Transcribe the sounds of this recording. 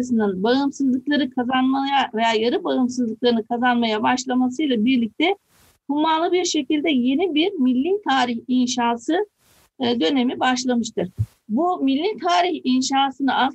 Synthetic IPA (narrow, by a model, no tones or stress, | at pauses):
sɯnɯnbaɯmsɯzlˠɯklˠaɾɯkʰazanmajave̞jaːjaɾɯbaɯmsɯzlˠɯklˠaɾɯnɯkʰazanmajabaʃlˠamasɯjlˠabiɾlʲic̚t̪ʰɛ | humalˠɯbiɾʃe̞cilʲd̪ɛje̞nibiɾmilʲːit̪ʰaːɾiçinʃaːsɯ | d̪ø̞ne̞mibaʃlˠamɯʃt̪ʰɯɾ̥ | bumilʲːint̪ʰaːɾiçinʃaːsɯnɯa